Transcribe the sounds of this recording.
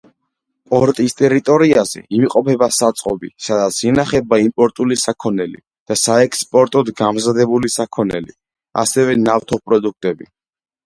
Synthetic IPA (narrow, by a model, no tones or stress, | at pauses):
pʼɔɾt̪ʼist̪ʼɛɾit̪ʼɔɾiazɛ̰imiqʼɔpʰɛbasat̪sʼqʼɔbisad̪at̪sʰɛnaχɛbaimpʼɔɾt̪ʼulisakʰɔnɛlḭ | d̪̥asaɛkspʼɔɾt̪ʼɔd̪ɡamzad̪ɛbulisakʰɔnɛ̰lḭ | a̰sɛvɛnaft̪ʰɔpʼɾɔd̪uk̚ʰt̪ʼɛbḭ